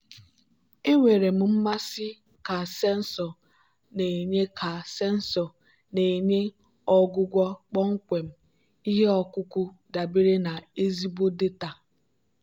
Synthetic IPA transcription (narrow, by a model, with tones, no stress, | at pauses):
e˦ŋʷe˨ɾe˨m̩˦m̩˦ma˦sɪ˦ | ka˨sɛ˦n̩˦sɔ˨ | ne˨ɲe˦kʰa˨se˦n̩˦sɔ˨ | ne˨e˨ɲe˦ | ɔ˦ɡʊ˦ɡʷɔ˦k͡pɔ˦ŋ̩˦kʷe˨m̩˦ | i˦ɦe˦ɔ˨kʊ˦kʊ˦ | da˨bi˦ɾe˦na˨e˦zi˦bo˦de˦ta˨